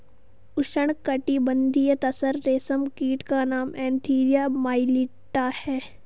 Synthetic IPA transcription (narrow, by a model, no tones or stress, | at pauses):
ʊʃəɳ̃kɐʈibə̃nd̪ʱijət̪ɐsəɾːeːsəmkiːʈkanaːmɛ̃ːnt̪ʰiːɾijaːmaːɪliʈːahɛː